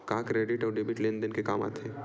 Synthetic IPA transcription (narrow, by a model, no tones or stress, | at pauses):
kaːkɾeːɖɪʈɔːɾɖeːbɪʈlẽnd̪ənkekaːma̰ːt̪ʰeː